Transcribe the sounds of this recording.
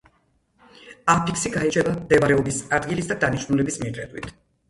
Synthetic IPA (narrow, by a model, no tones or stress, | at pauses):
ampʰiksiɡait͡ʃʰɛbamd̪ɛbaɾɛɔbisad̪ɡilisd̪ad̪aniʃnulɛbismid̪ɾɛd̪wḭt̪ʰ